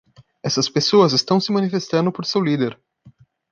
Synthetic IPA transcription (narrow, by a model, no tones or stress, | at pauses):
ɛsɐspesoɐzɪst̪ɐ̃w̃sɪmɐ̃nifest̪ɐ̃nd̪ʊpoɾsewlid̪eɾ